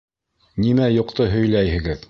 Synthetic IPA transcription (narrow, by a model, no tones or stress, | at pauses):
nimæjoqt̪ɤɦɵ̆jlæjhɘ̆ɡɘð